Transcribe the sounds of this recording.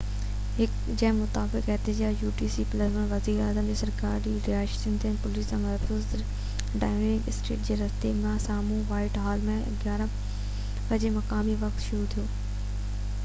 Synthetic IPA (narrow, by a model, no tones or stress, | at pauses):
ɦɪk | d͡ʑɐ̃ɦmʊt̪aːbɪkɛɦt̪ɪd͡ʑaːjuːʈiːsiːpləsmẽʋɐziːɾaːzəmd͡ʑesɐɾkaːɾd͡ʑiɾɪaːʃt̪ĩnt̪ʰinpʊliːsãmɐɾt̪ʰʊz | ɖaːɪmeɾɪkɪsʈɾḛːʈ̚d͡ʑeːɾɐst̪emãsaːmũʋaːɪʈɦaːlmẽ | ɡjaːɾã | pɐd͡ʑemɐkãːmiʋɐkt̪ʃʊɾut̪ʰijoː